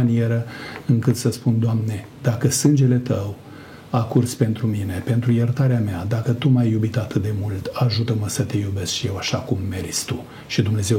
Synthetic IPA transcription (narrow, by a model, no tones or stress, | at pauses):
anie̞ɾəɨŋkɨt̪səspund̪oamne̞ | d̪akəsɨnd͡ʒe̞le̞t̪əw | akurspe̞nt̪ɾumine̞pe̞nt̪ɾujert̪aɾeamead̪akət̪umajːubit̪at̪ɨt̪̚d̪e̞mult̪aʒut̪əməsət̪e̞jube̞skʃije̞waʃakumːe̞rst̪u | ʃid̪umne̞ze̞w